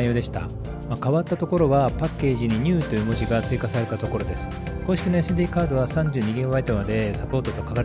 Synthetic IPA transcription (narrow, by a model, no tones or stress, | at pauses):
jo̞ːd̪e̞ɕi̥t̪a̰ | makaβat̪ːat̪o̞ko̞ɾo̞βapakːe̞ːʑiɲ̟iɲ̟ɨːt̪ːo̞jɯ̟ːmo̞ʑiɡat͡sɨikasaɾe̞t̪at̪o̞ko̞ɾo̞d̪e̞sɨ̥ko̞ːɕikʲino̞esɨd̪ʲiːkaːd̪o̞βasãɲ̟d͡ʑɨːɲ̟iɡʲẽβait̪emad̪e̞sapo̞ːt̪o̞t̪o̞kaɡaɾ